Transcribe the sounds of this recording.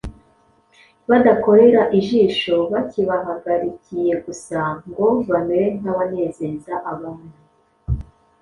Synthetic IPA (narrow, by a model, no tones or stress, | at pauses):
βadako̞ɾe̞ɾaʔiʒiːʃo̞βaciβaɦaɡaɾicije̞ɡusaŋɡo̞vanewen̥aβane̞ːze̞zaʔaβamwe